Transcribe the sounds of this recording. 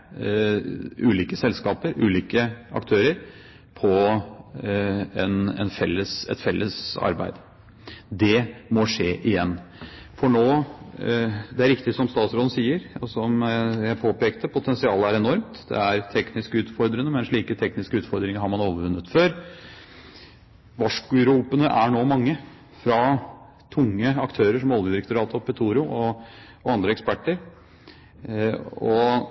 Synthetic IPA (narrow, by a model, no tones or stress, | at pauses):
ʔʉːliːkəsɛlskɑːpəɾʉ̰ːliːkəʔɑ̰kt̪ʰøːɾəɾ | pʰɔ | ɛnɛ̰nfɛlːəsɛ̰t̪fɛlːəsɑ̰ɾbæ̰ɪd̪ | d̪ɛmɔʂeːʔɪjɛnː | fɔɳoː | d̪ɛæɾɪkt̪ɪsɔmst̪ɑːt̪sɾoːd̪n̩siːəɾɔsɔmjæɪpʰoːpeːkt̪əpʰʊt̪ʰɛnsɪɑːləæɾɛnɔɾmt̪d̪ɛ̰æɾt̪ʰɛknɪskəʉːt̪fɔɾd̪ɾənəmɛnʂɭiːkət̪ʰɛknɪskəʉːt̪fɔɾd̪ɾɪŋəɾhɑɾmɑnoːʋəɾʋʉnːət̪føːɾ | ʋɑʂkʉɾuːpənəʔæɳoːmɑŋːə | fɾɑ | t̪ʰʊŋːəɑkt̪ʰøːɾəʂɔmɔlʋəd̪ɪɾɛk̚t̪ʊɾɑːt̪ɔpʰɛt̪ʰuːɾʊʔɔ | ɔɑnd̪ɾəɛkspæʈːəɾ | ɔ